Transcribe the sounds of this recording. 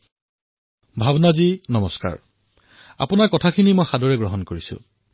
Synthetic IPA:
bʱabnazinɔmɔska̰ɹ | a̰pʊnaɹkɔtʰakʰinimojxadɔɹɛɡɹɔɦɔnkoɹisʊ̰̃

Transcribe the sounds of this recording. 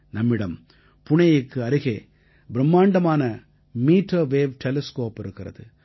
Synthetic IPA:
nɐmːɪɽɐm | pʊɳɐjɪkːɯɐɾɯɣeː | bɪɾɐmːaːɳɖɐmaːnɐ | miːʈːɐːʋeːʋʈʰɛlɛskoːpɪɾɯkːɪrɐ̰ðɯ

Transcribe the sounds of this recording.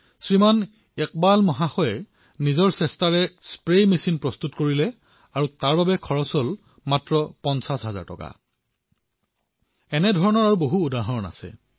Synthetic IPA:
sɹiman | ɛk̚balmɔɦaxɔjɛ | nizɔɹsɛstaɹɛspɹejmesinpɹɔstutkoɹilɛ | aɹutaɹbabɛkʰɔɹɔsɔl | matɹɔpɔnsasɦaza̰ɹtɔ̰ka̰ | ɛnɛdʱɔɹɔnɔɹaɹuboɦuːdaɦɔna̰sɛ̰

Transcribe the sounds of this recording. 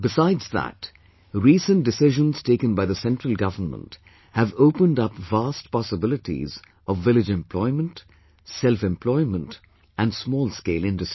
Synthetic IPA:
bɨsaɪdz̥ðæ̰t | ɾiːsə̃ndɨsɪʒə̃nz̥teɪkə̃nbaɪðəsɛ̃ntɹəlˠɡʌvənmə̰̃nt | hɨvoʊpə̃ndʌpvastpɑsəbɪlɨʈḭz | ʔʌvːɪlɪd͡ʒɛ̃mpʰlɔɪmə̃nt | sɛlfɛ̃mpʰlɔɪmə̃nt | ʔæ̃nsmɔːlˠskeɪlɪ̃ndɨsti

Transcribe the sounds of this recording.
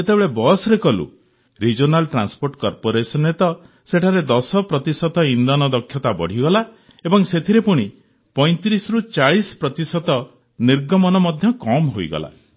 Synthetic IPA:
et̪ebeɭebɔsɾekɔlṵ | ɾid͡ʒonalʈɾanspoɾʈkɔɾpoɾesɔnet̪ɔ | seʈʰaɾed̪ɔsɔpɾɔt̪isɔt̪ɔind̪ɔnɔd̪ɔkʰːjɔt̪abɔ̰ɽ̤iɡɔla | ebɔŋset̪ʰiɾepuɽ̃i | pɔj̃t̪iɾisɾut͡ʃaɭisɔ̥pɾɔt̪isɔt̪ɔ | niɾɡɔmɔnɔmɔd̪ʱjɔkɔmɦojɡɔ̰la̰

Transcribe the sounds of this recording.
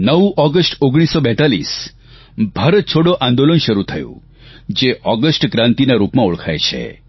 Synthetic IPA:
nəʋʔɔɡəsʈoɡɽ̃isːɔbɛ̃t̪alḭs | bʱaɾət̪̚t͡ʃʰoɽoʔãnd̪olənʃəɾut̪ʰəjṵ̃ | d͡ʒeʔɔɡəsʈkɾãnt̪inaɾupmãuɭkʰa̰jt͡ʃʰḛ

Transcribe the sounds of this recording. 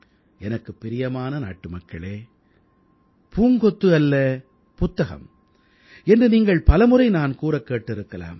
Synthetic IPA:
ɛnɐkːɯpːɪɾɪjɐmaːnɐna̰ːʈːɯmɐkːɐɭeː | puːŋɡɔt̪ːɯɐlːɐ | pʊt̪ːɐɣɐ̰m | ɛndrɯniːŋɡɐɭpɐlɐmɯɾɐɪnaːnkuːɾɐkːeːʈːɪɾɯkːɐla̰ːm

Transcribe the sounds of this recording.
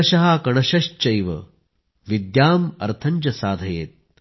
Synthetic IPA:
ɐʃɐɦɐkɐɳ̃ɐʃɐʃt͡ʃɐjʋɐ̰ | ʋid̪jaːmɐ̰ɾt̪ʰɐɲd͡ʒɐsaːd̪ʱɐjḛːt̪̚

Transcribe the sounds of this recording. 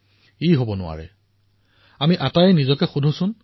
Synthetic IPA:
iɦobɔnʊwa̰ɹɛ̰ | amiʔatajɛnizɔkɛxudʱusʊn

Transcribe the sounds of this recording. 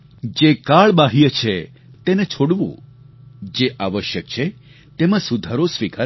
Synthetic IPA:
d͡ʒekaɭbaɦijət͡ʃʰe | t̪enet͡ʃʰoɽʋṵ̃ | d͡ʒeʔaʋəʃjək̚t͡ʃʰe | t̪emãsud̪ʱaɾosʋikʰa

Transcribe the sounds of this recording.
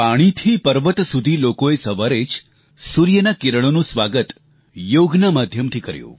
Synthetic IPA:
paɽ̃it̪ʰipəɾʋət̪sud̪ʱilokoesəʋaɾet͡ʃ | suɾjənakiɾəɽ̃onũsʋaɡət̪ | joɡnəmad̪ʱjəmt̪ʰikə̰ɾjṵ̃

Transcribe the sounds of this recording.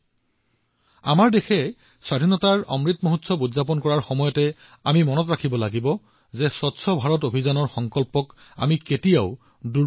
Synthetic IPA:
a̰maɹdexɛ | swadʱinɔtaɹɔ̰mɹitmoɦutsɔbudzap̬ɔnkɔɹaɹxɔmɔjɔtɛ | amimɔnɔtɹakʰibɔlaɡibɔ | zɛsɔtsɔbʱaɹɔtobʱizanɔɹxɔŋkɔlpɔka̰miketijaʊ | du

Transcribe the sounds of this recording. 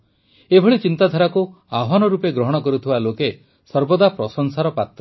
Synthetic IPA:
ebʱɔɭit͡ʃint̪ad̪ʱaɾaku | aɦanɔɾupeɡɾɔɦɔɽ̃ɔkɔɾut̪ʰibaloke | sɔɾbɔd̪apɾɔsɔŋsaɾɔpat̪ɾɔ

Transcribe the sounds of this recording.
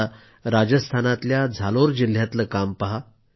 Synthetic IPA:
a | ɾad͡ʑəst̪ʰanat̪ljad͡zʱaloɾd͡ʑil̤ːjat̪ləkampaɦa

